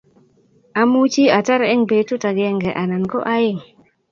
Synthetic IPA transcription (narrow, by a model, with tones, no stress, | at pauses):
a˨mu˦t͡ʃi˦a˨ta˦ɾɪ˦ŋbe˨tu˦ta˨ɡɛ˨˦ŋɡɛ˨ʔa˨na˨nkɔ˦ʔa˦ɪ˦˨ŋ